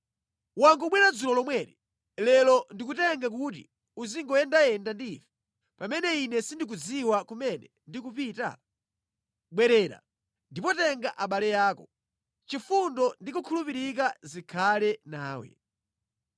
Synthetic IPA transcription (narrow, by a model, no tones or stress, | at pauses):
waŋɡuɓwɛnad͡zulɔlɔmwɛːɾi | lɛlɔndik̬utɛŋɡak̬ut̬ḭ | uziŋɡɔɛndajɛndandiːvɛ̥ | pamɛnɛinɛsindik̬ud͡ziwakumɛnɛ | ndikupiːta̰ | ɓwɛɾɛːɾa̰ | ndipɔtɛŋɡaʔaɓalɛjaːkɔ | t͡ʃifundɔndik̬ukʰulupiɾik̬azikʰalɛnaːwɛ̰